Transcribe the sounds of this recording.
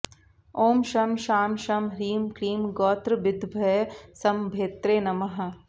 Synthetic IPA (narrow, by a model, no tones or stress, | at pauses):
oːmʃɐmʃaːmʃɐmɾiːmkɾiːmɡɔːt̪ɾbɪd̪bʱɐjsɐmbʱeːt̪ɾeːnɐmɐɦɐ̆